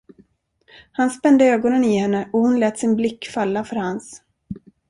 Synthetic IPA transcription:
hanspɛnd̪əøːɡɔnənɪhɛnːəʔɔhʊnlɛːt̪sɪnblɪkːfalːafœɾhans

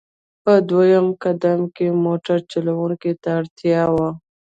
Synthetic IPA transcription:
pəd̪wajamkad̪amkemoʈaɾt͡ʃalawuŋket̪aːɽt̪jɑwa

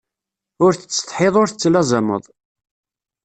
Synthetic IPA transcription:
ʊɾθə̥t͡sːt̪ˤħɪðˤʊɾθət͡sːlæzəmə̰ðˤ

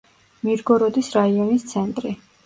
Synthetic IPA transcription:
miɾɡɔɾɔd̪isɾaiɔnist̪sʰɛnt̪ʼɾi

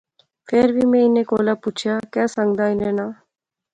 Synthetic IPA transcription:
pʰeɾbʱimẽɪnẽkoːlapuːt͡ʃʰjaːkjaːsə̃ŋɡd̪aːɪnẽːnaː

